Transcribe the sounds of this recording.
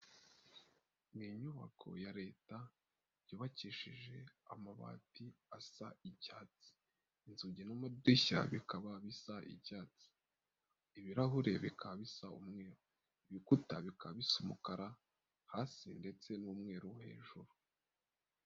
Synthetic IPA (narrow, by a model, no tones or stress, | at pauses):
miɲuβa̰kʰo̞̰jaɾe̞ːta | juːβaciʃiʒe̞a̰maβa̰tiasaiɟaːt͡si̥ː | nzuɟinamadiça̰βikaβaβisaʔḭɟaːt͡si̥ | iβiɾaɦuɾe̞βikʰaβisaumŋe̞ːɾo | iβikutaβikʰaβisumukaɾa | haːsinde̞t͡se̞nuːmŋe̞ːɾuhe̞̰ːʒuɾu